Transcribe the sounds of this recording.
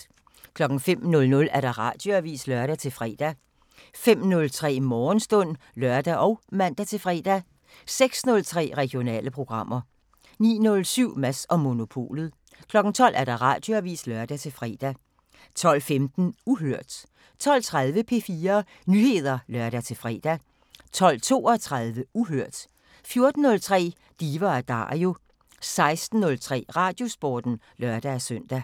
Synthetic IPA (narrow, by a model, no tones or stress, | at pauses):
kʰlɒ̽ɡ̥ŋ̩fem̰nɔ̽lnɔ̽læɐɾ̥ɑ̈ʁɑ̈d̥jo̝æʋḭːslœɐɾ̥æt͡sʰe̝lfʁɛ̰ːd̥æ | fem̰nɔ̽lt͡sʰʁɛ̰ːmɒːnsd̥ɔ̽n̰ | lɶɐd̥æʔɒ̽ʊmæn̰d̥æt͡sʰe̝lfʁɛ̰ːd̥æ | seɡ̥snɔ̽lt͡sʰʁɛ̰ːʁɛɡ̥jo̝nɛ̰ːləpʰʁo̝ɡ̥ʁɑ̈m̰ɐ | nḭːnɔ̽lsyʊ̰mæsɒ̽mo̝no̝pʰo̝̰ːlð̩ˠ | kʰlɒ̽ɡ̥ŋ̩t͡sʰɒ̽l̰æɐɾ̥ɑ̈ʁɑ̈ːd̥joæʋḭːslɶɐd̥æt͡sʰe̝lfʁɛ̰ːd̥æ | t͡sʰɒ̽l̰femd̥n̩uɦøɐ̰d̥ | t͡sʰɒ̽l̰t͡sʰʁɑð̞ˠʋəpʰe̝fiːɐ | nyhe̝ð̞ˠɐlɶɐɾ̥æt͡sʰe̝lfʁɛ̰ːd̥æ | t͡sʰɒ̽l̰t͡sʰo̝̰ːɒt͡sʰʁɑðˠʋəuɦøɐ̰d̥ | fjo̝ɐd̥n̩nɔ̽lt͡sʰʁɛ̰ː | d̥iːʋɐæd̥ɑ̰̈o̝ | sɑ̈ɪsd̥n̩ːɔ̽lt͡sʰʁɛ̰ːʁɑ̈d̥jo̝sb̥ɒːd̥n̩ | lɶɐd̥ææsœn̰d̥æ